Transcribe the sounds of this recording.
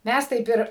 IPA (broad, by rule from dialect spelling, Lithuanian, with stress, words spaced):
ˈmʲæs ˈtɐɪp ɪr